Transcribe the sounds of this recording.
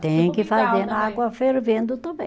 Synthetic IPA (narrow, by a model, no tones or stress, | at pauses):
t̪ẽj̃kɪfazeɾnɐaɡwɐfeɾvẽnd̪ʊt̪ɐ̃bẽ